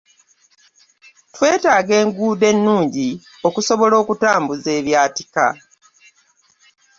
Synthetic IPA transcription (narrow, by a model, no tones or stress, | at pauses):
twe̞ːtaːɡe̞ːŋɡuːde̞nːuːɲɟi | o̞kuso̞βo̞lo̞ːkutaːmbuze̞ːβjaːtika̰